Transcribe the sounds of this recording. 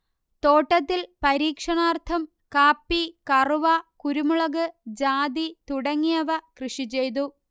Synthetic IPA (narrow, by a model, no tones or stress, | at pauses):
t̪o̞ːʈːɐt̪ːilpɐɾiːkʂɐɳaːrt̪ʰɐm | kaːpːikɐruʋɐkuɾumuɭɐɣɨd͡ʑaːd̪it̪uɽɐŋːijɐʋɐkrɨʂit͡ɕe̞jt̪̬u